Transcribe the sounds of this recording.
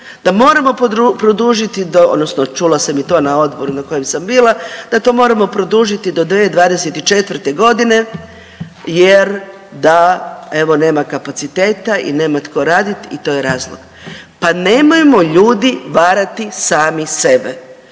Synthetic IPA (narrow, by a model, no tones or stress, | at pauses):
d̪̥amo̞ːɾamo̞pod̪upɾod̪uːʒit̪id̪ood̪nosnot͡ʃulasemit̪o̞ːnao̞d̪bo̞ɾunako̞jemsambiːlˠad̪̥at̪o̞ːmo̞ːɾamo̞pɾo̞d̪uʒit̪id̪o̞d̪ʋeːd̪ʋaːd̪eset̪it͡ʃe̞t̪ʋrt̪e̞ɡo̞d̪ine̞ | jeɾ | d̪ae̞ʋo̞ne̞ːmakapat̪sit̪e̞ːt̪aḭne̞ːmat̪kʰo̞ɾaːd̪it̪it̪o̞ːjeɾaːzlo̰ɡ̥ | pane̞mojemo̞ʎuːd̪iʋaːɾat̪isaːmise̞be̞